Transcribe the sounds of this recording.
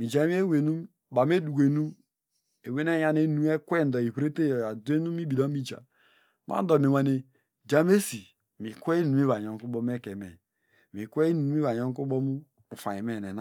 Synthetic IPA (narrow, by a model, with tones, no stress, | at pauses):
mi˨d͡ʒa˨˦m˦e˦we˨nu˦m | ba˨m˦e˦du˨ɡʷe˨nu˦ | e˨we˦ne˦ja˦ne˦nu˦e˦kʷe˦n̩˨dɔ˨i˨βɾe˦te˦jja˨de˦nu˦mi˦bi˨da˦mi˦d͡ʒa̰˨ | ma̰˦dɔ˨me˨wa˨ne˨ | d͡ʒa˦me˦si˨ | mi˨kʷe˦i˦nu˨mi˦βa˨ɲɔ˨ŋ˦ku˦bɔ˦m˦e˦˨ke˨mḛ˨ | mi˨kʷe˦i˦nu˨u˦i˦βa˨ɲɔ˦ŋ˦ku˦bɔ˦mu˦ | u˨fa˨je˨me˨ne˨n˦˨